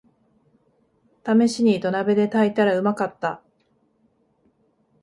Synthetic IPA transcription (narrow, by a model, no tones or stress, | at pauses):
t̪ame̞ɕiɲ̟it̪o̞nabe̞d̪e̞t̪ait̪aɾaɯ̟makat̪ːa